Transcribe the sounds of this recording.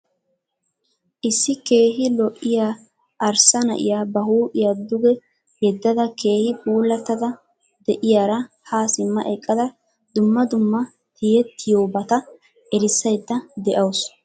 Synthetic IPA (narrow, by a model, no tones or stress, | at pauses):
ʔɪsːɪke̞ːɦɪlɔʔːɪjaː | ʔɐɾsɐnɐ̰ʔɪ̰jaːbɐhuːʔɪjaːd̪ʊɡɛ | jɛd̪ːɐd̪ɐke̞ːhɪbuːlːɐt̪ːɐd̪ɐ | d̪ɛʔɪjaːɾɐ | haːsɪmːɐ̰ʔɛkʼːɐd̪ɐ | d̪ʊmːɐd̪ʊmːɐ | h̪ɪjɛt̪ːɪjoːbɐt̪ɐ | ʔɛɾɪsːɐjd̪ːɐd̪ɛʔɐwʊs